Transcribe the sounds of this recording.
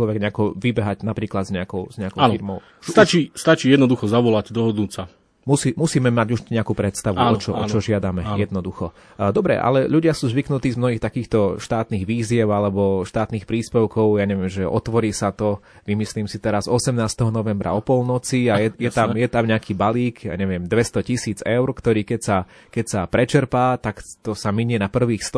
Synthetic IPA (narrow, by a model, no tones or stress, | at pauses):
lɔʋɛɡɲɛakɔʋibɛɦaɟnapɾiːklad̪zɲɛakɔʊz̥ɲɛakɔʊiɾmɔʊ | st̪at͡ʃiːst̪at͡ʃiːjɛd̪nɔd̪uxɔzaʋɔlaɟd̪ɔɦɔd̪nuːt͡sa | musiːmusiːmɛmaɟuʒɲɛakuːpɾɛt̪st̪aʋuɔt͡ʃɔʔɔ̰t͡ʃɔʒɪad̪amɛjɛd̪nɔd̪uxɔ | d̪ɔbɾɛ̰ʔa̰lɛʎuɟɪasuːzʋiknut̪iːzmnɔɦixt̪akiːxt̪ɔʃt̪aːt̪niːɣʋiːzɪɛʊalɛbɔʃt̪aːt̪niːxpɾiːspɛʊkɔʊjaɲɛʋɪɛmʒɛʔɔ̰t̪ʋɔɾiːsat̪ɔ | ʋimisliːmsit̪ɛɾazɔsɛmnaːst̪ɛɦɔnɔʋɛmbɾa̰ɔpɔlnɔt͡siajɛjɛt̪amjɛt̪amɲɛakiːbaliːkja̰ɲɛʋɪɛmd̪ʋɛst̪ɔcisiːd͡zɛʊɾkt̪ɔɾiːkɛcsa | kɛcsapɾɛt͡ʃɛɾpaːt̪akt̪ɔsamiɲɛnapr̩ʋiːxst̪